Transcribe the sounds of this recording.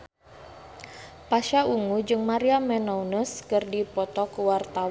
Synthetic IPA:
paʃaʔuŋud͡ʒɨŋmaɾiamɛnɔunəskɨrdipɔt̪ɔkuwart̪aw

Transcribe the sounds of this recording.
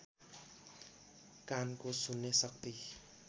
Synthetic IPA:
kankosunːesʌk̚t̪i

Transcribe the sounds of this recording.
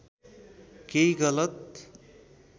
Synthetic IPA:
keiɡʌlʌt̪̚

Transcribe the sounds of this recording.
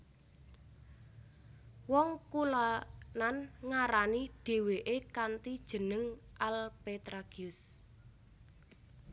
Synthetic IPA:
wɔŋkulananŋaɾaniɖ̥e̤weʔekant̪id̥ʒ̥ə̤nəŋʔalpet̪ɾaɡ̥iʊs

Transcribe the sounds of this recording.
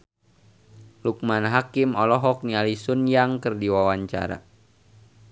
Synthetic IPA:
luk̚manɦakimɔlɔɦɔk̚nialisunjaŋkərdiwawaɲt͡ʃa̰ɾa̰

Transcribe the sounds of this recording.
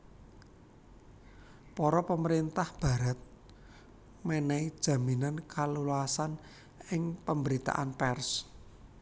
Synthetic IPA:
pɔɾɔpəməɾint̪ahb̥ä̤ɾa̤t̪̚ | mɛnɛid̥ʒ̥ä̤minankʰaluluasan | ɪŋpəmbəɾit̪a̰ʔanpɛrs

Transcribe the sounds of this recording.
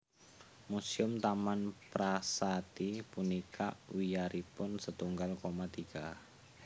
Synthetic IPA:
musiʊmt̪amanpɾasat̪ipunika̰ʔwijaɾʔipʊnsət̪uŋɡalkomat̪iɡ̥a

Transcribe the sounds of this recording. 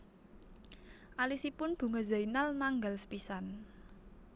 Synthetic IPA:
ʔalisipʊnb̥ṳŋazainalnaŋɡalsə̥pisan

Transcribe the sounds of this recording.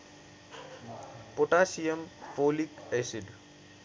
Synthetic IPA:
poʈaːsijɐmfoːlikesiɖ

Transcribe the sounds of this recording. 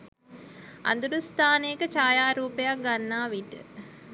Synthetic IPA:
a̰nd̪uɾust̪aːnekət͡ʃaːjaːɾuːpejak̚ɡanːaːʋiʈə̰

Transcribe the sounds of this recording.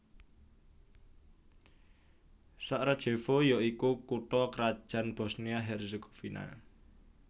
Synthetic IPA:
saʔɾad̥ʒ̥e̤fojɔikukuʈɔkɾad̥ʒ̥ä̤nb̥ɔ̤sniaɦɛrzeɡo̥fina̰

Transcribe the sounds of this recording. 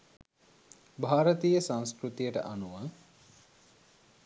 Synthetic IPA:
bʱaːɾət̪ijəsãnskɾut̪ijəʈə̰ʔanuʋə

